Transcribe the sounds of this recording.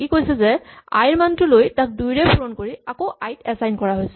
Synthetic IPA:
kikojsɛzɛa̰jɹmantʊlojtak̚dujɹɛpuɹɔnkoɹiakoajtɛsajnkɔɹaɦojsɛ

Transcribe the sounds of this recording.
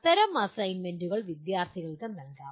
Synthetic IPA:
t̪ɐɾɐmɐsɐjnmenduɣɐɭʋid̪jaːrt̪ʰiɣɐɭkɐnɐlkaː

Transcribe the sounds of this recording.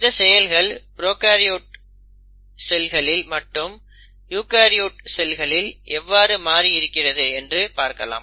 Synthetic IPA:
ɪðɐsɛjɐlɣɐɭbɪɾoːkaːɾɪjoːʈ̚ | sɛlɣɐɭɪlmɐʈːɯm | juːkaːɾijuːʈ̚sɛlɣɐɭɪlʔɛʋːaːɾɯmaːɾiɪɾɯkːɪrɐðɯɛndrɯpaːɾkɐ̰la̰ːm

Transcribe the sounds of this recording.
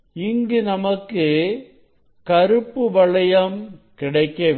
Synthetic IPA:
ɪŋɡɯnɐmɐkːɯ | kɐɾɯpːɯʋɐɭɐjɐmkɪɽɐɪkːɐʋ

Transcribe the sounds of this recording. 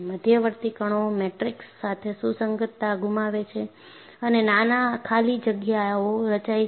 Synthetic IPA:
məd̪ʱjəʋəɾt̪ikəɳ̃omeʈɾiksːat̪ʰesusəŋɡət̪ːaɡumaʋet͡ʃʰe | ənenanakʰalid͡ʒəɡjaoɾət͡ʃai

